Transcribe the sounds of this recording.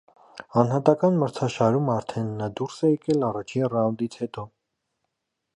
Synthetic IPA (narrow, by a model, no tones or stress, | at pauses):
ɑnhɑt̪ɑkɑnməɾt͡sʰɑʃɑɾumɑɾt̪ʰɛnːɑd̪uɾsɛjɛkɛlɑrɑt͡ʃʰinrɑwnd̪it͡sʰhɛt̪ɔ